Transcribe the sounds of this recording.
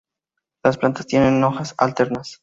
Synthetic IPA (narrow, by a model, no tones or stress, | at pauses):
lasplant̪ast̪je̞ne̞nːo̞xasa̰lt̪e̞ɾnas